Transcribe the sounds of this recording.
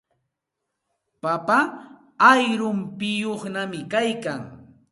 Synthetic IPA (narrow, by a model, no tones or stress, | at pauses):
papa | ajɾʊmpɪjoχnamɪkajkaŋ